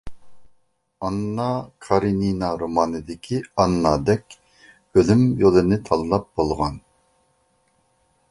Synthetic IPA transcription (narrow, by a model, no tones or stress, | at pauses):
ɑnːɑkʰɑɾininɑɾomɑːnɨd̪ɪkʲʰiɑnːɑd̪ɛkʲ | ølymjolˠɨnɪt̪ʰɑlˠɨlˠɑp̚bolˠʁɑn